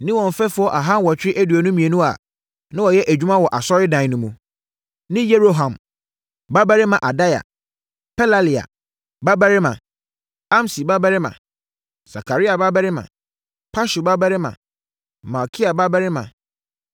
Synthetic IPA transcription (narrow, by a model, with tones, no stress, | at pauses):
nɪ̃˦wɔ̃˨m˨fɛ˦fʊ˦ɔ˦ʔa˨ɦã˦n˦wɔ˨t͡ɕʰᶣɪ˦ɪ˦ʔæ˦du˨æ˨nũ˦mĩ˨e˨nũ˦a̰˨ | nã˦wɔ˨jɛ˦ʔæ˨d͡ʑᶣu˦mã˦wɔ˨ʔa˨sɔ˦ɾɪ˦dã˨nũ˦mũ˨ | nɪ̃˦jɛ˦ɾo˦ɦã˨m | ba˦bæ˦ɾɪ˦mã˨ʔa˨da˦ja̰˨ | pʰɛ˦la˦li˨a̰˨ | ba˦bæ˦ɾɪ˦mã̰˨ | ã˦msi˨ba˦ba˦ɾɪ˦mã̰˨ | sa˨kʰa˨ɾi˦a˨ba˦ba˦ɾɪ˦mã̰˨ | pʰa˦ʃu˨ba˦bæ˦ɾɪ˦mã̰˨ | ma˨kʰi˦a˨ba˦ba˦ɾɪ˦mã̰˨